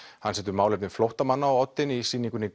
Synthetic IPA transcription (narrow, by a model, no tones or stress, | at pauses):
hanːsɛːt̪ʏɾmaːwlejpnɪnflowht̪amanːaɔɔt̪ːɪnisiːniŋkʏnːɪ